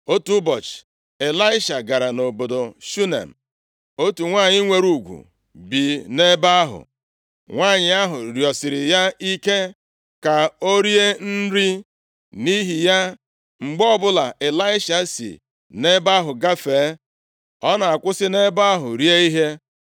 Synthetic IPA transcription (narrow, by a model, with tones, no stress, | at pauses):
o˦tu˦bɔ˨t͡ʃ | e˨la˦ɪ˦ʃa˨ɡa˨ɾa˨no˨bo˨do˨ʃu˦nḛ˨m̩˨ | o˦tu˨ŋʷaː˦˨ɲɪ˦ŋʷe˨ɾu˦˨ɡʷṵ˨ | bi˨ne˦ba˦a˦ɦʊ̰˨ | ŋʷaː˦˨ɲɪ˨a˦ɦʊ˨ɾjɔ˨sɪ˨ɾɪ˨ja˦i˦ke˦ | ka˨o˦ɾi˦e˦n̩˦ɾi˦ | ni˦ɦi˨ja˦ | ŋ͡m̩˨ɡ͡bɔ˦bʊ˦la˨ʔe˨la˦ɪ˦ʃa˨sḭ˨ | ne˦ba˦ɦʊ˨ɡa˦feː˨˦ | ɔ˦na˨a˨kʷʊ˦sɪ˦ne˦ba˦a˦ɦʊ˨ɾje˦i˦ɦe˦